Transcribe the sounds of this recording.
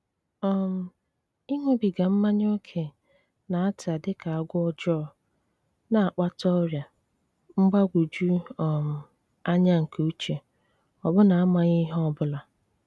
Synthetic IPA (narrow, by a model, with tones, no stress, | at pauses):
ɔ˦˨m̩˨ | i˦ŋʷe˦bi˨ɡa˨m̩˦ma˦ɲ˦o˦kʰe˨ | na˨a˦ta˨dɪ˦ka˨a˨ɡʷʊ˦ɔ˦d͡ʒɔ˦˨ | na˨a˨k͡pa˦tɔ˦ɾja˨ | m̩˦ɡ͡ba˦ɡʷu˨d͡ʒu˦ɔ˨m̩˨ | a˦ɲa˦ŋ̩˨ku˦t͡ʃe˨ | ɔ˨bʊ˦na˨a˦ma˨ɲɪ˦ɦɔ˦bʊ˦la˨